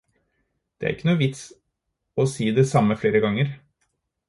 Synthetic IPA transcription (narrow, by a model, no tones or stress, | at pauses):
d̪̥ɛæ̰ɾɪkːənuːəʋɪt̪s | ɔsiːd̪ɛsɑmːəfleːɾəɡɑŋəɾ